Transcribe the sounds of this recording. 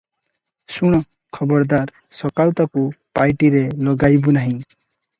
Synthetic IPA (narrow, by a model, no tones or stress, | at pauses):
suɽ̃ɔ | kʰɔbɔɾd̪aɾ | sɔkawt̪akupajʈiɾelɔɡajbunaɦĩ